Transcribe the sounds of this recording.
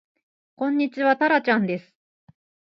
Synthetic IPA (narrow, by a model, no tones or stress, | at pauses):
kõ̞ɲ̟ːit͡ɕiβat̪aɾat͡ɕãnd̪e̞sɨ̥